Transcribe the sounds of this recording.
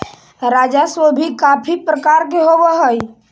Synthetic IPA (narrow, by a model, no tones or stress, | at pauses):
ɾad͡ʒasobʱikapʰipɾəkaɾk̬eɦobeɦəj